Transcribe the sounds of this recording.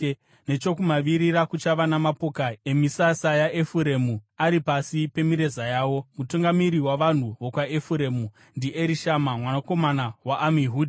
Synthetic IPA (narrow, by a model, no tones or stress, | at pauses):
ne̞t͡ʃo̞kumaʋiɾiɾakut͡ʃaʋanamapo̞kae̞misasajaʔefuɾe̞muaɾipasipe̞miɾe̞zajaːwo̞mutuŋɡamiɾiwaʋan̤uʋo̞kwaefuɾe̞ːmu | ndiʔeɾiʃamamwanako̞manawaʔːmuɦuːdi